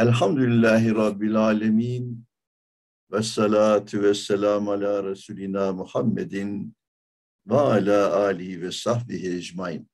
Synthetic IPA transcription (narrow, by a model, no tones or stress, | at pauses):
ʔalħamd̪ʊlɪlːaːɦɪɾˤɑbːɪlʕaːlamiːn | wɑsˤːɑlaːt̪wasːalaːmʕalaːɾˤɑsuːlɪnaːmʊħamːa̰d̪n | waʕalaːʔaːlɪhɪwɑsˤɑħbɪhɪd͡ʒmaʕḭːn